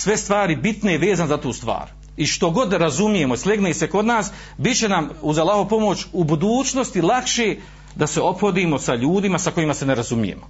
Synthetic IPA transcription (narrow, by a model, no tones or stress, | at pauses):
sʋe̞st̪ʋaːɾibit̪ne̞ʋe̞ːzanzat̪uːst̪ʋa̰ːɾ | iʃt̪o̞ɡo̞d̪ɾazumije̞moislʲeɡneːse̞ko̞d̪naːs | bit͡ɕe̞namuzalˠaɦopo̞mo̞t͡ɕubud̪uːt͡ʃnost̪ilˠakʃe | d̪ase̞o̞pxo̞d̪iːmo̞saʎuːd̪imasako̞imase̞ne̞ɾazumije̞̰mo